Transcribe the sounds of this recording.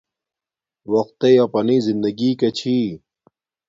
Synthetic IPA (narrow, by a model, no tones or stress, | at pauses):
wɐq̚t̪ːejapɐniːzind̪ɐɡiːkɐt͡ɕʰiː